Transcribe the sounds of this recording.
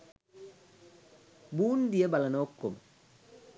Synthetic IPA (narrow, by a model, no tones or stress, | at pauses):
buːndiɛbalanɔkːom